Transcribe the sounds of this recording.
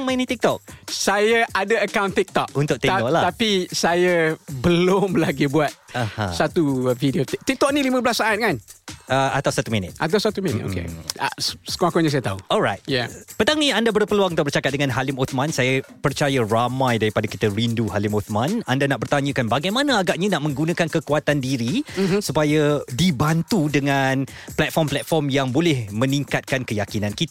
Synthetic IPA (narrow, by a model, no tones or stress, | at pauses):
ŋmanĩt̪ik̚t̪ɔk̚sajaʔadaəkawnt̪ik̚t̪ɔk̚unt̪ʊk̚t̪ɛɔk̚lat̪apisajabəlʊmlaɡibuat̪̚aha̰sat̪ufidiot̪̚t̪ik̚t̪ɔk̚nĩlimə̃blasːaat̪̚kanəat̪awsat̪uminə̰t̪̚at̪awsat̪uminḭt̪̚o̰kḛ | sə̥kuakɔɲə̃sajət̪auɔlɾajt̪̚ja̰pət̪aŋiandabərpəluaŋt̪aʔbərt͡ʃakat̪̚dəŋanɦalɪmot̪mãnsajəpərt͡ʃajaramãjdaɾipadakit̪əɾinduɦalimot̪mãnandanaʔbərt̪aɲə̃kanbaɡajmãnãaɡaʔɲanaʔmə̃ŋɡunãkankəkuat̪andiɾisupajədibant̪udəŋan | plɛt̪̚fɔmplɛt̪̚fɔrmjaŋbolɛhmə̃nĩŋkat̪̚kankəjakinãnkit̪